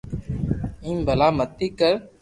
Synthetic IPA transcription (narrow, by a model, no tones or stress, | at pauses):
ĩːmbʱəlaːmət̪ːiːkəɾ